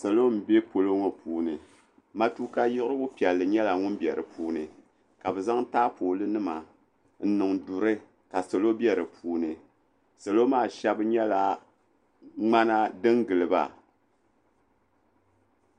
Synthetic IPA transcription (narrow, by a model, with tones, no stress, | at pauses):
sa˨lo˦m˨be˦po˨lo˦ŋo˨puː˨˦nɨ˨ | ma˦tu˦ka˦jɪ˦ʔɾɨ˦bʊ˦pi˨ɛ˨lːɨ˨ɲɛ˦la˨ŋʊ˦n˦bjɛ˨ɾɨ˨pʰuː˦nɨ˨ | ka˨bɛ˨za˦ŋ˦taː˦poː˨lɨ˦nɨ˦ma˨ | n̩˦nɨ˨ŋdu˨ɾɨ˦ | ka˨sa˨lo˦bjɛ˨ɾɨ˨pʰuː˦nɨ˨ | sa˨lo˦maː˦˨ʃɛ˦bɨ˦ɲɛ˦la˨ | ŋ͡ma˦na˦dɨ˦ŋɡɨ˨lɨ˨ba̰˨